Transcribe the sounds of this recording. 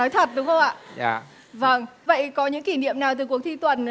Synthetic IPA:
ɔ˨˦jt̪ʰə˨˩t̚ɗʊ˨˦ŋ͡mxə˧wŋ͡mʔa̰ː˧˨a˧˩ | və˧˩ŋvə̰˧˨jkɔ˨˦ɲɨ̰˧˥ŋki˧˩nḭ˧˨əmnaː˨˩wt̪ɨː˨˩ku˨˩ək̚t̪ʰi˧t̪wə̰˧˩n

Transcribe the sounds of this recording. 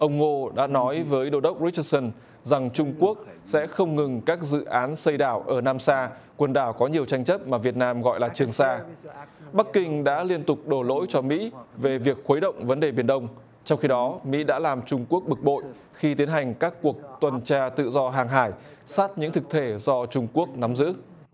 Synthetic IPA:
ʔə˧wŋ͡mŋo˧ɗa̰ː˧˥nɔ˨˦jvəː˨˦jɗo˧ɗə˦˥wk͡p̚ɹi˦˥ə˧sə˧n | za˨˩ŋt͡ɕʊ˧ŋ͡mku˦˥ək̚sɛ̰˧˥xə˧wŋ͡mŋɨ˨˩ŋkaː˦˥k̚zɨ̰˧˨ʔaː˨˦nsə˧jɗaː˧˩wʔəː˧˩naː˧msaː˧ | kwə˧˩nɗaː˧˩wkɔ˨˦ɲi˨˩əwt͡ɕa˧jŋt͡ɕə˦˥p̚maː˨˩vi˨˩ət̚naː˧mɣɔ̰˧˨jlaː˨˩t͡ɕɨ˨˩əŋsaː˧ | ɓa˦˥kkːï˧ŋ̟ɗa̰ː˧˥li˧ənt̪ʊ˨˩k͡p̚ɗo˧˩lo̰˧˥jt͡ɕɔ˧mḭ˧˥ve˨˩vi˨˩ək̚xə˨˦jɗə̰˧˨wŋ͡mvə˨˦nɗe˨˩ɓi˨˩ənɗə˧wŋ͡m | t͡ɕɔ˧wŋ͡mxi˧ɗɔ˨˦mḭ˧˥ɗa̰ː˧˥laː˨˩mt͡ɕʊ˧ŋ͡mku˦˥ək̚ɓɨ˨˩k̚ɓo̰˧˨j | xi˧t̪i˨˦ənɦa˨˩jŋ̟kaː˦˥kːu˨˩ək̚t̪wə˨˩nt͡ɕaː˧t̪ɨ̰˧˨zɔ˧ɦaː˨˩ŋɦaː˧˩jsaː˦˥t̚ɲɨ̰˧˥ŋt̪ʰɨ˨˩k̚t̪ʰe˧˩zɔ˧t͡ɕʊ˧ŋ͡mku˦˥ək̚na˨˦mzɨ̰˧˥

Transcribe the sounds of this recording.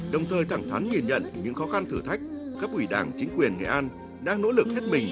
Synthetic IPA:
ɗə˨˩wŋ͡mt̪ʰəː˨˩jt̪ʰa˧˩ŋt̪ʰa˨˦nɲi˨˩nɲə̰˧˨nɲɨ̰˧˥ŋxɔ˨˦xa˧nt̪ʰɨ˧˩t̪ʰa˦˥jk̟̚kaː˦˥k̚ʔwi˧˩ɗaː˧˩ŋt͡ɕï˨˦ŋ̟kwi˨˩ənŋɛ̰˧˨ʔaː˧n | ɗaː˧ŋno̰˧˥lɨ˨˩k̚he˦˥t̚mï˨˩ŋ̟

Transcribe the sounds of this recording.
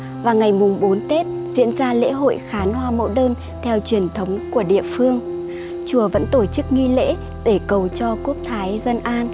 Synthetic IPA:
vaː˨˩ŋa˨˩jmʊ˨˩ŋ͡mɓo˨˦nt̪e˦˥t̚ | zḭ˧˥ənzaː˧lḛ˧˥ɦo̰˧˨jxaː˨˦nhwaː˧mo̰˧˥ɗəː˧n | t̪ʰɛ˧wt͡ɕwi˧˩ənt̪ʰə˨˦wŋ͡mku˧˩əɗḭ˧˨əfɨ˧əŋ | t͡ɕu˨˩əvə̰˧˥nt̪o˧˩t͡ɕɨ˦˥k̚ŋi˧lḛ˧˥ | ɗe˧˩kə˨˩wt͡ɕɔ˧ku˦˥ək̚t̪ʰaː˨˦jzə˧nʔaː˧n

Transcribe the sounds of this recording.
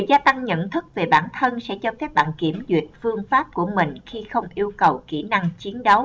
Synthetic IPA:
zaː˧t̪a˧ŋɲə̰˧˨nt̪ʰɨ˦˥k̚ve˨˩ɓaː˧˩nt̪ʰə˧nsɛ̰˧˥t͡ɕɔ˧fɛ˦˥p̚ɓa̰ː˧˨nki˧˩əmzwḭ˨˩ət̚fɨ˧əŋfaː˦˥p̚ku˧˩əmï˨˩ŋ̟xi˧xə˧wŋ͡mʔi˧əwkə˨˩wkḭ˧˩na˧ŋt͡ɕi˨˦ənɗə˨˦w

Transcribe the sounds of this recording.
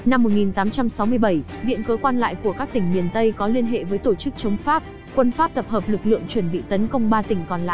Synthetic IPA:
na˧mːo˨˩t̚ŋi˨˩nt̪aː˨˦mt͡ɕa˧msa˨˦wmɨ˧əjɓə˧˩j | ɓḭ˧˨ənkəː˨˦kwaː˧nla̰ː˧˨jku˧˩əkaː˦˥k̚t̪ï˧˩ŋmi˨˩ənt̪ə˧jkɔ˨˦li˧ənɦḛ˧˨vəː˨˦jt̪o˧˩t͡ɕɨ˦˥k̚t͡ɕə˨˦wŋ͡mfaː˦˥p̚ | kwə˧nfaː˦˥p̚t̪ə˨˩p̚həː˨˩p̚lɨ˨˩k̚lɨ̰˧˨əŋt͡ɕwə˧˩nɓḭ˧˨t̪ə˨˦nkə˧wŋ͡mɓaː˧t̪ï˧˩ŋ̟kɔ˨˩nla̰ː˧˨ʔ

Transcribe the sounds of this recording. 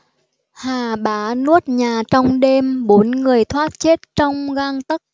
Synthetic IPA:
haː˨˩ɓaː˨˦nu˦˥ət̚ɲaː˨˩t͡ɕɔ˧wŋ͡mɗe˧mɓo˨˦nŋɨ˨˩əjt̪ʰwaː˦˥t̚t͡ɕe˦˥t̚t͡ɕɔ˧wŋ͡mɣaː˧ŋt̪ə˦˥k̚

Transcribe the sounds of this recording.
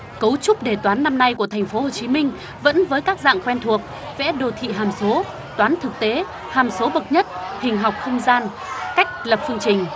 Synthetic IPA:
kə˨˦wt͡ɕʊ˦˥k͡p̚ɗe˧˩t̪waː˨˦nːa˧mna˧jku˧˩ət̪ʰɛ˨˩ŋ̟fo˨˦ho˨˩t͡ɕi˨˦mï˧ŋ̟ | və̰˧˥nvəː˨˦jkaː˦˥k̚za̰ː˧˨ŋkwɛ˧nt̪ʰu˨˩ək̚ | vɛ̰˧˥ɗo˨˩t̪ʰḭ˧˨ɦaː˨˩mso˨˦ | t̪waː˨˦nt̪ʰɨ˨˩k̚t̪e˨˦ | haː˨˩mso˨˦ɓə˨˩t̚ɲə˦˥t̚hï˨˩ŋ̟ɦa˨˩wk͡p̚xə˧wŋ͡mzaː˧n | ka˦˥jk̟̚lə˨˩p̚fɨ˧əŋt͡ɕï˨˩ŋ̟

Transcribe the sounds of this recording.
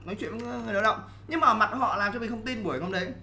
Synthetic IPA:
nɔ˨˦jt͡ɕwḭ˧˨ə˨˦ŋɨ˨˩jɗaː˨˦ɗə̰˧˨wŋ͡m | ɲɨ˧ŋmaː˨ʔə˧˦˩ma˨˩t̚kɔ̰˧˨laː˨˩mt͡ɕɔ˧mi˨˩xə˧ŋ͡mt̪i˧nɓu˧˩ə˨o˧wɗə˨˦j

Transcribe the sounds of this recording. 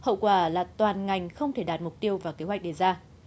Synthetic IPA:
hə̰˧˨wkwaː˧˩laː˨˩t̪waː˨˩nŋa˨˩jŋ̟xə˧wŋ͡mt̪ʰe˧˩ɗaː˨˩t̚mʊ˨˩k͡p̚t̪i˧əwvaː˨˩ke˨˦ɦwa˨˩jk̚ɗe˧˩zaː˧

